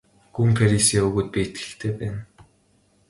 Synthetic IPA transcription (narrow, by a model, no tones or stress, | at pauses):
ɡ̥uŋfʰeɾisiːɵɣuːt̪̚pʲiːet̪ɡɘ̆ɬt̪ʰeːpæːn